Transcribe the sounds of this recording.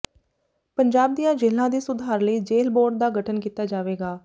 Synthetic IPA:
pəɲd͡ʒaːb̚d̪ijãːd͡ʒeːlãːd̪iːsʊd̪ʱaːɾləiːd͡ʒeːlboːɖ̚d̪aːɡəʈʰənkiːt̪aːd͡ʒaːʋeːɡaː

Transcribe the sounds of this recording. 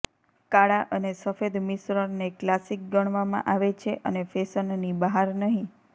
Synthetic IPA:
kaɭaʔənesəfed̪misɾəɾneklasik̚ɡəɽ̃ʋamã̰ʔaʋet͡ʃʰeʔənefesənːibaɦaɾnəɦĩ

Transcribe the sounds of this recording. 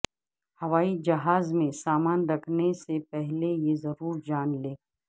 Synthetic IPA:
hɐʋaːid͡ʒɐɦaːzmẽsaːmaːnɾɐkʰnesepɛɦlejezɐɾuːɾd͡ʒaːnleː

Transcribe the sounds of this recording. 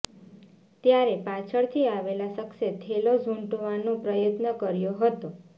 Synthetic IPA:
t̪jaɾepat͡ʃʰəɭt̪ʰiaʋelasəkset̪ʰelozʱuɳʈoʋanõpɾəjət̪nəkəɾjoɦət̪o

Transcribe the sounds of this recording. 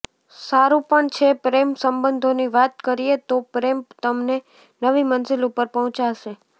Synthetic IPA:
saɾũpəɳt͡ʃʰepɾemsəmbənd̪ʱoniʋat̪kəɾiet̪opɾemt̪əmne | nəʋimənzilupəɾpəɦɔ̃t͡ʃaʃe

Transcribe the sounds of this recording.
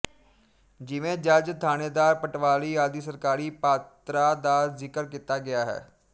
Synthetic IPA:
d͡ʒɪʋẽːd͡ʒəd͡ʒt̪ʰaːneːd̪aːɾpəʈʋaːliːaːd̪iːsəɾkaːɾiːpaːt̪ɾaːd̪aːzɪkəɾkiːt̪aːɡɪaːɦɛ̰ː

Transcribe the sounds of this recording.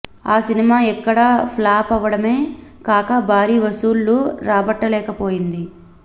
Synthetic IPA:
aːsinimaːɛkːɐɽapʰlaːpɐʋːɐɽɐme̞ːkaːkɐbʱaːɾiːʋɐsuːlːuɾaːbɐʈːɐlɛːkɐpoːjind̪i

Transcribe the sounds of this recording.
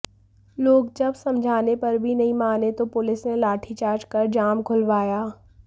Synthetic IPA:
loːɡd͡ʒɐbsɐ̃md͡ʒʱaːnepɐɾbʱinɐɦĩmaːnet̪opʊlɪsnelaːʈʰit͡ʃaːɾt͡ʃkɐɾd͡ʒaːmkʰʊlʋaːjaː

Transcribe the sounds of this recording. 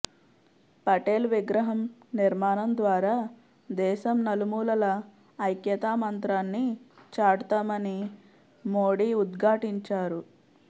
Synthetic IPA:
pɐʈeːlʋiɡɾɐɦɐmniɾmaːnɐmd̪ʋaːɾaː | d̪ɛːʃɐmnɐlumuːlɐlɐ | ɐjkjɐt̪aːmɐnt̪ɾaːnːit͡ʃaːɽut̪aːmɐni | moːɽiːud̪ɡʱaːʈiɲt͡ʃaːɾu

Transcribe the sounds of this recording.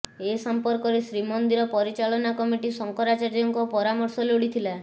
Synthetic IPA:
esɔmpɔɾkɔɾesɾimɔnd̪iɾɔpɔɾit͡ʃalɔnakɔmiʈisɔŋkɔɾat͡ʃaɾjɔŋkɔpɔɾamɔɾsɔloɽit̪ʰila

